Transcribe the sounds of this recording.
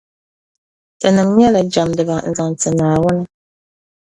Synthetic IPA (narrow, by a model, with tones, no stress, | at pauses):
tɨ˨nɨ˨ŋɲ˦ɛ˦la˨d͡ʒa˨mdɨ˨ba˨n̩˨za˨ŋ˨t͡sɨ˨naː˨wɔ˦nə˦